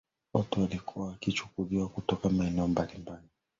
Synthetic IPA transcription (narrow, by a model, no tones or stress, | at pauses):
wɔtualikʰuwaːkit͡ʃu̥kuliwakutɔkamaɛnɛɔmbalimbali